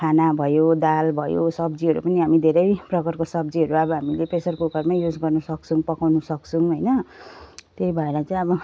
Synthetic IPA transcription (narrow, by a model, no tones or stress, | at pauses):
kʰanabʱʌjod̪albʱʌjo̰sʌbd͡ziʌɾṵpʌniɦamid̪ʱeɾʌjprʌkʌrkosʌbd͡ziɦʌɾuʌbʌɦamilepesʌrkukʌrmajud͡zɡʌrnʌsʌk̚t͡sʰũpʌkawnusʌk̚t͡sʰũɦojnʌ | t̪eibʱʌeɾat͡sãĩʌbʌ